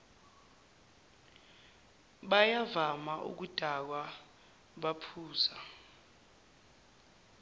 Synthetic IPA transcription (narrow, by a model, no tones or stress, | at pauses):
ɓajavamaʔṵk̬ud̥ʱak̬wa | ɓapʰuːza